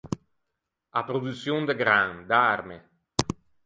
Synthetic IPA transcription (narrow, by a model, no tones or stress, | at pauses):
apɾod̪ut̪sːjond̪eɡɾaŋd̪aɾme